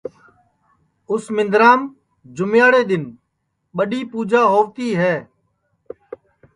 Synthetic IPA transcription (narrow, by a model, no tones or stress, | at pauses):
ʊsmɪ̃nd̪ɾaːm | d͡ʒʊmjaːɽeːɗ̪ɪn | ɓəɗiːpuːd͡ʒaːɦoːʋt̪iːɦɛː